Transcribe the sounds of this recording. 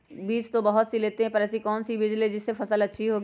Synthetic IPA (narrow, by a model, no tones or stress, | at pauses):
biːt͡ʃt̪obɐɦʊt̪sileːt̪eɦɛ̃pɐɾɛːsikɔːnsibɪd͡ʒlid͡ʒɪsːefɐsəlɐtːʃʰiɦoːɡi